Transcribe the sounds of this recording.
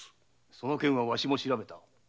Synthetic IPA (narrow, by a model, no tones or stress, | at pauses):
so̞no̞kẽ̞ɰ̃βaβaɕimo̞ɕiɾabe̞t̪a